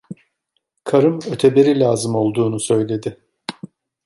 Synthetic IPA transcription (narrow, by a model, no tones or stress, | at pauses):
kʰaɾɯmøt̪ʰebeɾilʲaːzɯmo̞lˠd̪uːnusø̞jlʲe̞d̪ɪ